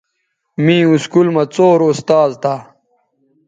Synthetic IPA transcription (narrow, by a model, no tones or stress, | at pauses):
mĩːuskulmɐt͡soːɾust̪aːzt̪ʰa